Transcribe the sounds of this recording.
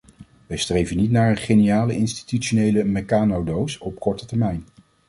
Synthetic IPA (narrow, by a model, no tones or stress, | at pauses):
ʋɛjstrejvənitnaːɹənχejnijaːləɪnsti̥tytʃonejləmɛkaːnowdowsɔp̚kɔɹtətɛɹmɛjn